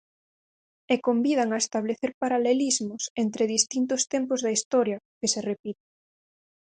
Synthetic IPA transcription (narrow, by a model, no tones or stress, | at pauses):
ekombið̞aŋaest̪aβ̞leθeɾpaɾalelizmʊsent̪ɾeðist̪int̪̬ʊst̪empʊzðɐist̪ɔɾjɐ | keserepit̪e̥